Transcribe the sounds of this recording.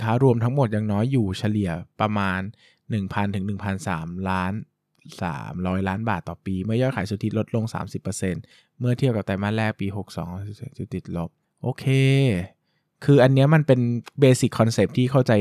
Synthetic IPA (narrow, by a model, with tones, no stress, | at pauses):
k̪ʰaː˦˥ɾu˧əmt̪ʰa˦˥ŋmo˨˩t̪̚ja˧ŋnɔː˦˥jːuː˨˩t͡ɕʰa˧li˨˩əpɾa˧maː˧nː | ɯ˨˩ŋpʰa˧nt̪ʰɯ˩˦ŋnɯ˨˩ŋpʰa˧nsa̰ː˩˦mlaː˦˥n | sa̰ː˩˦mɾɔː˦˥jlaː˦˥nbaː˨˩t̪ːɔː˨˩piː˧mɯ˥˩jɔː˥˩jkʰaː˨˩˦jsu˨˧˩t̪ʰi˦t̪̚lo˦˥t̪̚lo˧ŋsa̰ː˩˦msi˨˩pːɤː˧se˧n | mɯ˥˩ɐt̪ʰi˥˩əwka˨˩t̪aː˧˩maː˥˩nlɛː˥˩k̚piː˧ɦo˨˩k̚sɔ̰ː˩˦ŋ˧su˨˧˩t̪i˨˩t̪̚lo˦˥p̚ | ʔoː˧kʰeː˧ | kʰɯː˧ʔa˧nːi˦˥ɐma˧npe˧nbeː˧si˨˩kʰːɔ˧nse˨˩p̚t̪ʰiː˥˩kʰa˥˩wt͡ɕa˧j